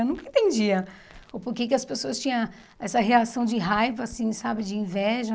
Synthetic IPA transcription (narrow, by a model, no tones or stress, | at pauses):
wnũkɐẽt̪ẽnd͡ʒiɐ | opoɾkekɪɐspesoɐst͡ʃĩɲɐ̃ | ɛsɐɦeasɐ̃w̃d͡ʒɪɦajvɐːsĩsabɪd͡ʒɪĩvɛʒɐ